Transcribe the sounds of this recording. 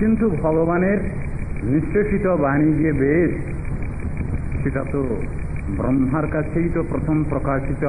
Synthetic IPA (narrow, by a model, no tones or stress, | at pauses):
kint̪ubʱɔɡɔbaneɾ | niseʃit̪ɔbañid͡ʒiebed̪ | seʈat̪o | bɾɔmɦaɾkat͡ʃʰejt̪ɔpɾɔt̪ʰɔmpɾɔkaʃit̪ɔ